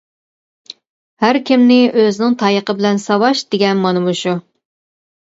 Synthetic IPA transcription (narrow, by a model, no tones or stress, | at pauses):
hæɾkʲɪmnɪʔøzɪnɪŋt̪ʰɑjəqəbɪlɛnsɑwɑʃd̪̥ɪɡʲɛnmɑnɨmuʃu